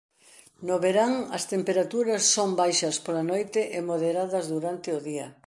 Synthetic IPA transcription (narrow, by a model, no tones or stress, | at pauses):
noβeɾaŋɐst̪empeɾat̪uɾɐsːombajʃɐspolɐnojt̪ɪʔɪmoðeɾaðɐzðuɾant̪ɪʊðiɐ̰